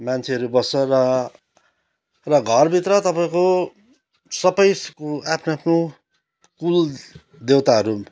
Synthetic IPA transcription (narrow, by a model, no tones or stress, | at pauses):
mant͡sʰeʌɾubʌsʌrʌ | rʌɡʱʌrbʱit̪rʌt̪ʌpaĩko | sʌpʌjskapʰnapʰno | kul | d̪ewt̪aɦʌɾu